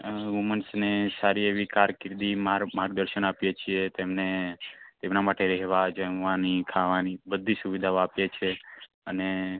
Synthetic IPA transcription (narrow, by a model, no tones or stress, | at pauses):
ʋumənsnesaɾieʋikaɾkɪɾd̪imaɾmaɾɡ̚d̪əɾʃənapjet͡ʃʰiet̪emnet̪emnamaʈeɾɛɦʋad͡ʒəʋanikʰaʋanibəd̪ʱːisuʋid̪ʱaoapjet͡ʃʰe | əne